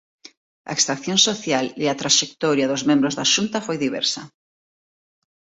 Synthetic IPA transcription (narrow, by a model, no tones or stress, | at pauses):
a̰ekst̪ɾakθjõŋsoθjaleat̪ɾaʃek̚t̪ɔɾjaðʊzmẽmbɾozðaʃunt̪afojðiβɛ̰ɾsɐ